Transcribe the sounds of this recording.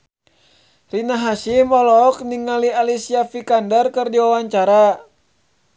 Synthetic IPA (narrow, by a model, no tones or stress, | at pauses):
rinaɦasimɔlɔkniŋalialisiafikandərkɨrdiwawaɲt͡ʃaɾa